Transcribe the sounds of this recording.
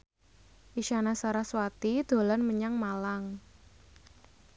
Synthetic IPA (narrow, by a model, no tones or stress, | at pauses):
ʔiʃanasaɾahswat̪id̪̥o̤lanməɲaŋmalaŋ